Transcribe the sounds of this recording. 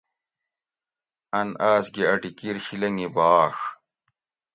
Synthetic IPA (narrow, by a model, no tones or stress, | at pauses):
ɐnaːsɡeɐʈikiɾɕilɐŋibaːʂ